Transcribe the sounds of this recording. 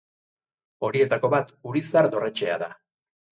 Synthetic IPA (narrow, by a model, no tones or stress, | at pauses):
o̞ɾie̞t̪ako̞βat̪uɾisaɾd̪o̞ret͡ʃe̞a̰ða